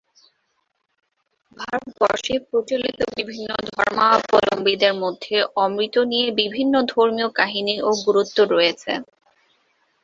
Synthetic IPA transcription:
bʱaɾot̪bɔɾʃepɾot͡ɕolit̪obibʱinːod̪ʱɔɾmapɔlombid̪eɾmod̪ʱːeʔɔmɾit̪ːonijebibʱinːod̪ʱoɾmiokaɦiniʔoɡuɾut̪ːoɾojet͡ɕʰḛ

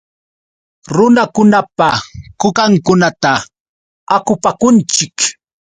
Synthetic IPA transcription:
ɾʊnakʊnapakʊkaŋkʊnat̪a | akʊpakʊnt͡ʃɪk

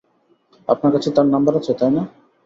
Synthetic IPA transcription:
a̰pnaɾkat͡ɕʰet̪aɾnambaɾat͡ɕʰet̪ajna

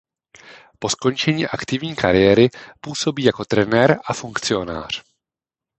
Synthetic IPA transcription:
po̞sko̞nt͡ʃɛɲiːʔakt̪ɪvɲiːkaɾɪjɛɾɪpuːso̞biːjako̞t̪ɾɛnɛɾʔafuŋkt͡sɪo̞na̰ːr̝̥

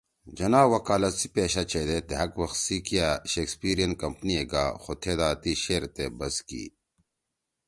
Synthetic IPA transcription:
d͡ʑɐnaːwɐkaːlɐt̪si̥peːɕat͡ɕed̪et̪eɦɐkwɐxsikijaɕekspiːɾijɐn̚kɐmpnieɡaːxot̪ʰeːd̪aːt̪iɕeːɾt̪ebɐskḭː

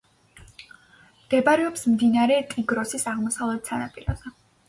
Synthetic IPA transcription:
mɡ̥ɛbaɾɛɔpsmd̪inaɾɛt̪ʼiɡɾɔsisaʁmɔsavlˠɛt̪sanapʼiɾa̰zɛ

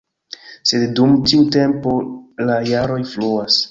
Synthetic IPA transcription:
se̞ddumtiute̞mpo̞lajaɾo̞jfluas

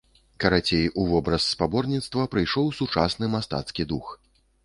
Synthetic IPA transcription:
kɐɾat͡sʲejuvɔbɾɐsːpabɔrnʲit̪st̪vɐpɾɨjʂɔwsut͡ʂasnɨmast̪a̰t̪skʲid̪ux

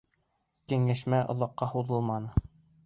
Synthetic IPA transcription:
kɘŋæ̆ʃmæʔŏ̰ðɑqːɑhuðɤlˠmɑnɤ

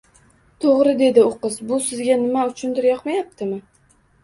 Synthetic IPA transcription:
t̪ʰoʁɾɪd̪e̞d̪ɪoqɨzbʊsɪzɡʲanɪmaʊt͡ʃʰʊnt̪ɪɾjɒqmajap̚t̪ʰɪmɪ

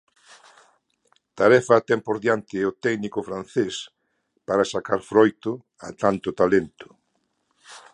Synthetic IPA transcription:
t̪aɾɛfɐːt̪ɛmpoɾðjant̪ɪɛot̪ɛɡnikʊfɾanθes | paɾasakaɾfɾojt̪ʊ | a̰t̪ant̪ʊt̪alent̪ʊ̥

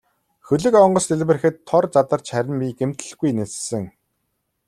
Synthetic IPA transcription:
xɵɮɘ̆kɔɴɢɞ̆st̪eɮpɘ̆rxɘ̆t̪ʰːɔrt͡sat̪ə̆r̥t͡ɕχæɾʲɪ̆npʲiɡem̥t̪ɘ̆ɮɡujnet͡ssɘ̆ŋ

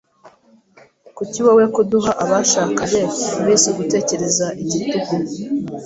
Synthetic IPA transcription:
kuciβawekuduɦaʔaβaʃaːkaβeuβisuɡute̞ːce̞ɾe̞zaʔiɟituɡu

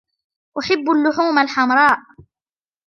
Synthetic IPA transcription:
ʔʊħaɪbːʊlːʊħuːmalħamɾˤɑːʔ

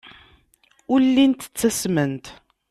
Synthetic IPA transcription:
ʊlːint̪ə̥t͡sːæsmənt̪

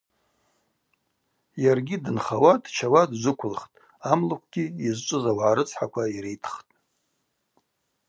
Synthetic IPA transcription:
jarɡʲidɨnχawadʰt͡ʃʰawadzʷɨkʷʰʊlχtʼ | amlakʷʰɡ̥ʲiizt͡ʃʷʼʊzawʕaɾɨt͡sʰħakʷʰaiɾejtʰχtʼ

